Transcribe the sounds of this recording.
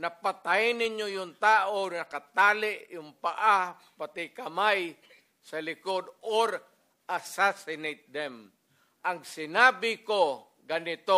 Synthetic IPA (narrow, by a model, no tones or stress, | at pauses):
nɐpat̪ajɪnɪɲjojʊŋt̪aːʔonɐkat̪aːlɪʔjʊŋpaʔa | pat̪ɪkɐmaj | sɐlɪkod̪oɾ | ʔasasɪnejt̪̚d̪ɛm | ʔɐŋsɪnaːbɪko | ɡanɪt̪o